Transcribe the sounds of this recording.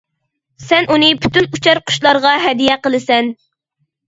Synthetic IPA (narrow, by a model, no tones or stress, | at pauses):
sɛnunɨpʰyt̪ynut͡ʃʰɑɾqʰʊ̥ʃlˠɑɾʁɑɦɛd̪ijɛqəlˠɨsɛn